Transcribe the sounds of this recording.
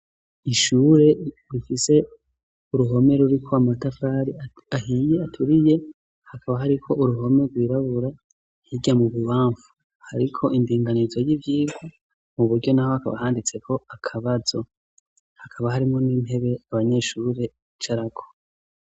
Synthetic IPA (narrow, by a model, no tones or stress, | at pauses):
iʃuːɾe̞ | ɾifise̞ | uɾuɦo̞me̞ɾuɾikʰo̞amatafaːɾia | ahije̞atʰuɾije̞ | hakʰaβaɦaɾikʰo̞ʔuɾuɦo̞me̞ɾɡwiːɾaβuɾa | hiɡamuβuβaːɱvu̥ | haɾikʰo̞ʔindiːŋɡanizo̞jivjiːɡo | muβuɾɟo̞naho̞haka̰βa̰haːndit͡se̞kʰo̞akʰaβazo̞ | hakʰaβahaɾimŋo̞niːnhe̞βe̞aβaɲe̞ʃuːɾe̞ | t͡ʃaɾakʰo